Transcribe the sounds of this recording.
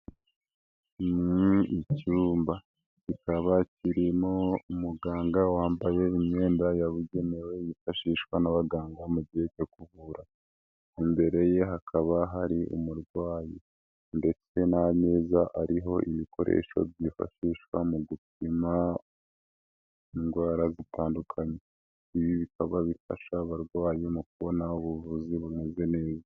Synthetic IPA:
niicuːmba | cikaβaciɾimo̞umuɡaːŋɡawaːmbaje̞imɲe̞ːndajaβuɟe̞newe̞jifaʃiːʃwanaβaɡaːŋɡamubɟihecokuβuɾa | imbe̞ɾe̞je̞ɦakʰaβaɦaɾiṵmuɾɡwaːji | nde̞t͡se̞nane̞ːzaʔaɾiɦo̞ʔiβiko̞̰ɾe̞̰ʃo̞̰bɟifa̰ʃiːʃwamuɡup̚ima | iŋɡwaːɾazitʰaːndukʰaɲe | iβiβikaβaβifa̰ʃaβaɾɡwaːjemukuβonauβuvuziβuneze̞ne̞ːza

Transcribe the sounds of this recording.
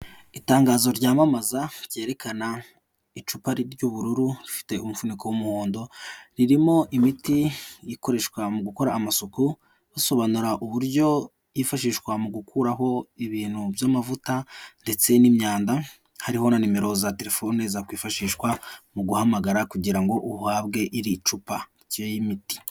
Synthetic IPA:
itaːŋɡaːzo̞ɾɟaːmamazaɾje̞ːɾe̞kʰana | it͡ʃupaɾiɾɟuβuɾuɾuɾifi̥te̞umufunikowumuhoːndo̞ɾiɾimo̞ʔimitijiko̞ɾe̞ʃkwamuɡuko̞ɾaːmasoku | βaso̞βanuɾaʔuβuɾɟo̞ | jifaʃiːʃkwamuɡukʰuɾaɦo̞iβiːn̥hubjamavutande̞t͡se̞nimɲaːnda | haɾiho̞nanime̞ɾo̞zate̞ɾe̞fonezakwiːfaʃiːʃwamuɡuhamaɡaɾakuɟiɾaŋɡo̞ʔuhaβɡe̞ʔiɾiːt͡ʃupaiciejimiti̥

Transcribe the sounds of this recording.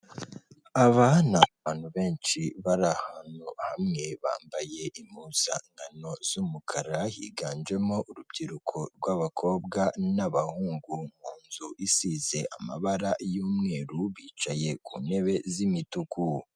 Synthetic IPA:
aβanaβaːnhuβe̞ːnʃiβaɾahanuhamŋe̞βa̰ːmbaje̞ʔimuːz̥a̰ŋɡano̞z̥umukʰaɾahḭɡaːnd͡ʒe̞mo̞ʔuɾubɟiɾukʰoɾɡwaβakʰo̞ːb̚ɡanaβahuːŋɡuŋ̥uːnzuʔisize̞ʔa̰ma̰βaɾajuːmŋe̞ːɾuβiːt͡ʃaje̞kune̞βe̞zimituku

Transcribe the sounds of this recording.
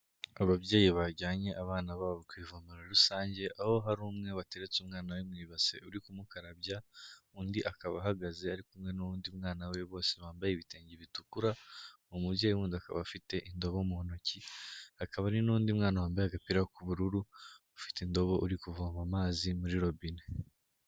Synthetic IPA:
aβaβɟeːjiβaɟaːɲe̞ʔaβaːnaβaːβokwiːvomuɾaɾusaːɲɟe̞ʔaho̞ɦaɾuːmŋe̞βate̞ɾet͡sumŋaːnawemŋiːβase̞̰uɾikumukaɾabjauːndiʔakaβaɦaɡaze̞aɾikumŋe̞nuβuːndimŋaːnaweβo̞ːse̞βaːmbajeβiteːɲɟiβitukuɾa | omuβjɟejuβuːndiaka̰βafite̞ʔindo̞βoumuho̞no̞cihakaβaɾinuβuːndimŋaːnawaːmbajaɡapiɾaokuβuɾuɾu | afi̥tendo̞βo̞ʔuɾikuvoːmamaːzimuɾiɾo̞bine

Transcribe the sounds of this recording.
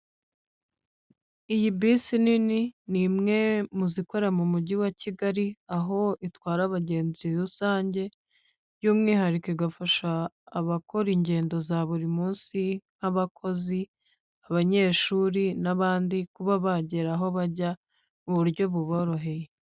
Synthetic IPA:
ijibisinininimŋe̞muziko̞ɾamumuɟiwaciɡaɾiaɦo̞itwaːɾaβaɟe̞ːnziɾusaːɲɟe̞ | juːmŋiːɦaɾikeiɡafaʃaː | βako̞ɾiɲɟe̞ːndo̞zaβuɾimuːnsin̥haβakʰo̞zi | aβaɲe̞ːʃuːɾinaβaːndikuβaβaɟeɾaɦo̞βaɟa | muβuɾɟo̞βuβo̞ɾo̞ɦe̞je

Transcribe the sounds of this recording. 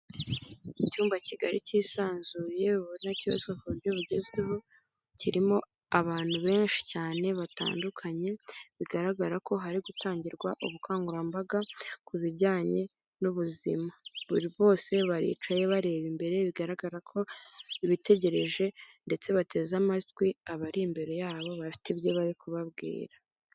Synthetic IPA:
icuːmbaciɡaɾiciːsaːnzuːje̞βuɾinacio̰sofoɾjoβuɟeziɦo | ciɾimo̞ | aβaːn̥huβe̞ːnʃi̥caːne̞βata̰ːndukʰaɲe̞βiɡaɾaɡaɾako̞ɦaɾiɡutʰaːɲɟiɾɡwaʔoβukʰaːŋɡuɾambaɡakuβiɾɟaːɲe̞ | nuβuzḭmaβuɾiβo̞ːse̞βaɾḭːt͡ʃaje̞βaɾe̞ːβimbe̞ɾe̞βiɡaɾaɡaɾakʰo̞iβite̞ɟe̞ɾe̞ʒe̞nde̞t͡se̞βate̞ːzamatwiaβaɾimbe̞ɾe̞jaːβo̞βafi̥tiβjo̞βaɾikuβaβɡḭːɾa

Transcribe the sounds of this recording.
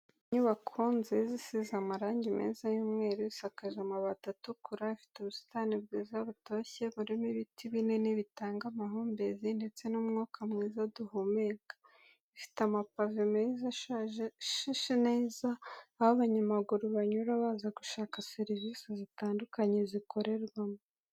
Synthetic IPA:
ɲuβakʰuːnzizisizamaɾaːɲɟimḭzajuːmŋe̞ːɾuisakaʒemaβatatukʰuɾaifi̥teβusi̥tanibɡiːzaβutoçe̞βuɾimiβitʰiβine̞niβitaːŋɡamaɦuːmbezinde̞t͡se̞numŋukʰamŋiːzaduhumeːɡḁ | ifi̥tamapavimizaʃʃiʃineːzaːhoβaɲamaɡuɾuβaɲuɾaβaːzaɡuʃaːkase̞ɾivisezitaːndukaɲe̞ziko̞ɾʔe̞ɾɡwamo

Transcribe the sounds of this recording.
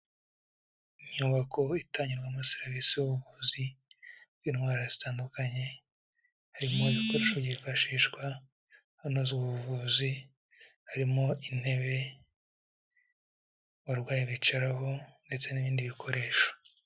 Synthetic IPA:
iɲuːβako̞itʰaːɲuɾɡamaseɾavisijuβuvuzi | zinwaːɾazitaːndukaɲe̞ | haɾimo̞iβiko̞ɾeʃovɟifaʃiːʃɡwa | hano̞zuβuuvuzi | haɾimo̞in̥he̞βe̞ | waɾɡwaːjiβit͡ʃaɾaɦo̞nde̞t͡se̞niβiːndiβikʰo̞ɾe̞ːʃo̥

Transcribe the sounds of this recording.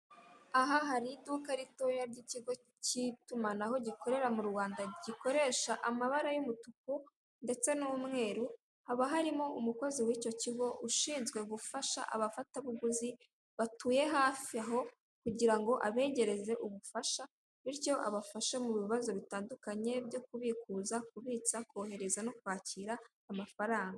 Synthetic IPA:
aɦaɦaɾidukaɾito̞jaɾɟiciɡo̞ | citumanaɦo̞ɟiko̞ɾe̞ɾamuɾwaːndaɟiko̞ɾe̞ːʃaʔamaβaɾajumutuk̚u | nde̞t͡se̞nuumŋe̞ːɾu | haβaɦaɾimo̞umuko̞ziwiːco̞ciɡo̞ʔuʃiːnzɡwe̞ɡufaʃa̰ʔa̰βafataβuɡuzi | βatuːje̞ɦaːfiaɦo̞ | kuɟiɾaŋɡo̞ʔaβe̞ːɟe̞ɾe̞ze̞ʔuβufaʃa | βiɾjo̞ʔa̰βafaʃamuβiβazo̞βitaːndukaɲe̞bjo̞kuβikuzakuβiːt͡sakoːhe̞ɾe̞zanokwaːciːɾaː | mafaɾaːŋɡaa

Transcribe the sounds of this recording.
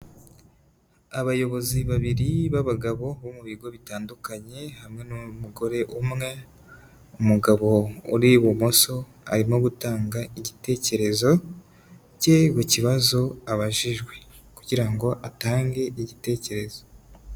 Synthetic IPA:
aβajo̞βo̞ziβaβiɾiβaβaɡaβo̞βomuβiɡo̞βitaːndukaɲe̞hamŋe̞numuɡo̞ɾe̞ʔumŋe̞ | umuɡaβo̞ṵɾiβumo̞so̞ | a̰ɾimo̞ɡutaːŋɡaiɟite̞ːce̞ɾe̞zo̞ | ce̞kuciβazo̞aβaʒiʒɡwe̞ | kuɟiɾaŋɡo̞ʔataːŋɡe̞iɟite̞ːce̞ɾe̞zo

